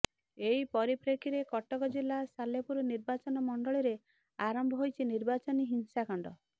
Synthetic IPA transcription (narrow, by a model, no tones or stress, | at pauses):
eipɔɾipɾekʰiɾekɔʈɔkɔd͡ʒilːasalepuɾɔniɾbat͡ʃɔnɔmɔɳɖɔɭiɾe | aɾɔmbʱɔɦojt͡ʃʰiniɾbat͡ʃɔniɦinsakɔɳɖɔ